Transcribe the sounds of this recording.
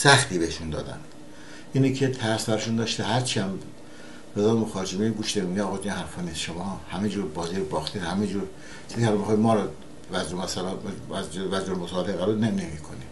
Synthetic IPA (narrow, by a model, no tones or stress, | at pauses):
sæxt̪iːbeeʃund̪ɒ̰ːd̪æ̰n | ʔiːnikʰet̪ʰæɾsbæɾɔʃund̪ɒːʃt̪ehæɾt͡ʃʰiæm | ɾezɒːlmoxɒːɾd͡ʒemeɡuʃnemiɡiɒːɣɒd͡ʒinhæɾfɒːniːsʃomɒːhæmed͡ʒuːɾbɒːziːɾobɒːxt̪ʰiːd̪hæmed͡ʒuːɾ | t͡ʃʰiziælmixɒːjmɒːɾɔ | væzɾomæsælæzvæzd͡ʒoɾmosɒːleɣæɾulnenemiːkʰoni